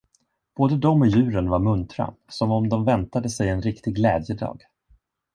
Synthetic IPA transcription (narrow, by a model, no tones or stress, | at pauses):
b̥oːd̪əd̪ɔmːɔjʉ̟ːɾənvaɾmɵnt̪ɾa̰sɔmɔmd̪ɔmvɛnt̪ad̪əsɛjɛnɾɪkt̪ɪɡlɛːd̪jəd̪ɑ̰ːɡ